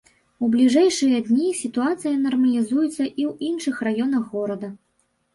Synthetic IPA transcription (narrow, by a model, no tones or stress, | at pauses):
ublʲiʐɛjʂɨjɐd̪ʲnʲisʲit̪uat̪sɨjɐnɐrmɐlʲizujɛt̪sːɐʔiwinʂɨxrajɔnɐxːɔɾɐd̪ɐ